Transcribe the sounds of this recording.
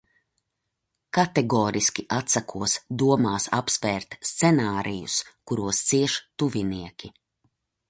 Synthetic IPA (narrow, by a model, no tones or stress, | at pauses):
kat̪ɛɡɔːɾiskʲiʔat̪sakʰuɔsd̪uɔmaːsa̰psvɛːɾt̪st̪sɛnaːɾʔijṵskuɾuɔst̪siɛʃt̪uviniɛkʲi